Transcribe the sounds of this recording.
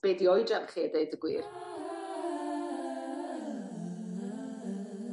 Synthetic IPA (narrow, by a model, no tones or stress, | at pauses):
b̥eːdiɔjdranχiːədejdəɡwḭːr